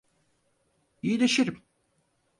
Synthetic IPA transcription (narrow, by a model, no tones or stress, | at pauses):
iilʲeʃiɾim